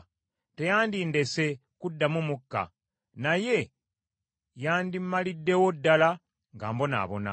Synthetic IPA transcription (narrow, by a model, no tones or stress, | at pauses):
te̞jaːndinde̞se̞kudːamumukːa̰ | naje̞ | jaːndimmːalidːe̞wo̞dːala | ŋɡaːmbo̞na̰ːβo̞na̰